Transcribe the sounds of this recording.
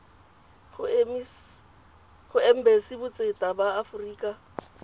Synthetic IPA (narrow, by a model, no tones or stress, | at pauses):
m | χʊem̩besɪbʊt͡sʼetʼabaːfriːkʼa